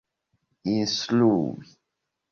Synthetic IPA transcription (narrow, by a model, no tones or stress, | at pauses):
insluwi